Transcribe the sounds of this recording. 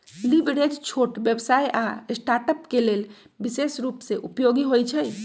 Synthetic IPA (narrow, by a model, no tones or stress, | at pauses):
libɽed͡ʒt͡ʃʰoʈbjebsajʔasʈaʈəpkelel | bisesɾupseʔupjoɡiɦojt͡ʃʰəj